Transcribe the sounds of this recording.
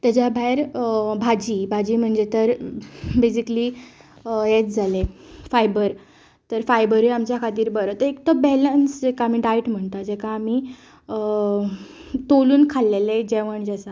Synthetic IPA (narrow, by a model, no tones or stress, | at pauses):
t̪ad͡ʑjabʱaeɾbʱad͡ʑiːbʱad͡ʑiːm̤əɳd͡zet̪əɾbesikli | jet̪̚d͡zʱalefajbəɾ | t̪əɾfajbəɾeamt͡ɕjakʰat̪iːɾbəɾət̪əekt̪ɔbɛlənsd͡ʑɛkaːmiɖajʈm̤əɳt̪ad͡ʑekaːmiː | t̪oluːnkʰalːeled͡ʑeʋəɳd͡ʑasa